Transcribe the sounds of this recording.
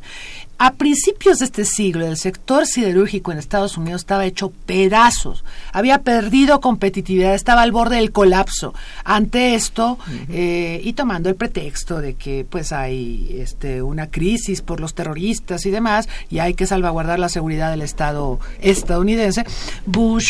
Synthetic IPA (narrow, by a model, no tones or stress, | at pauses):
apɾinsipjo̞zðe̞st̪e̞siɣlo̞else̞kt̪o̞ɾsiðe̞ɾuɾxiko̞ene̞st̪aðo̞suniðose̥st̪aβaet͡ʃo̞pe̞ðaso̞̰saβiape̞ɾðiðo̞ko̞mpe̞t̪it̪iβiðaðest̪aβaːlβo̞ɾð̞e̞ðelko̞lapso̞̰ant̪e̞e̞st̪o̞eit̪o̞mãnd̪oelpɾe̞t̪e̞kst̪o̞ðe̞ke̞pwe̞sajḛst̪eunakɾisispo̞ɾlost̪e̞ro̞ɾist̪asiðe̞masiajke̞salβaɣwaɾð̞aɾlase̞ɣuɾiðaðe̞le̞st̪að̞o̞est̪aðouniðe̞nse̞buʃ